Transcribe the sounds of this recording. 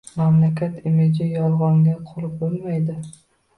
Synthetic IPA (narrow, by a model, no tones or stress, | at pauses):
mamlakʲʰat̪ʰɪmɪd͡ʒɪjɒlˠʁɒŋɡʲaqʰolˠɪp̚bʊlˠmajd̪ɪ